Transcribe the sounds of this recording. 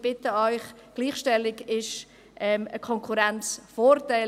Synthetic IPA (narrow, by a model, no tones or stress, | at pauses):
b̥ɪtəɔʏχ | ɡ̥liːχʃtɛlɪɡɪʃ | ʔɛməkʰɔŋkʰuɾɛnt͡sfoːɾtaɪ